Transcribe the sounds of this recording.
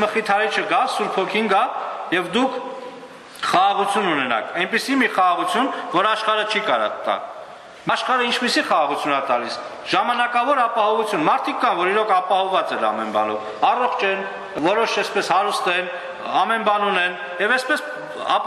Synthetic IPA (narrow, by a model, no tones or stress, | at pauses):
məχit̪ʰɑɾit͡ʃʰəɡɑsuɾpʰɔkʰinɡɑjɛvd̪ukʰ | χɑʁɑʁut͡sʰjununɛnɑ̰kʰɛnpisimiχɑʁɑʁut͡sʰjunvɔɾɑʃχɑɾət͡ʃʰikɑɾɔ̰t̪ːɑ̰l | mɑʃχɑɾəint͡ʃʰpisiχɑʁɑʁut͡sʰjunɑt̪ɑlis | ʒ̥ɑmɑnɑkɑvɔɾɑpɑhɔvut͡sʰjunmɑɾt̪ʰikːɑnvɔɾiɾɔkʰɑpɑhɔvɑt͡sɛɾɑ̰mɛnbɑ̰nɔ̰v | ɑrɔχt͡ʃʰɛn | vɔɾɔʃɛspɛshɑɾust̪ɛn | ɑmɛnbɑnunɛn | jɛvɛspɛs | ɑ̰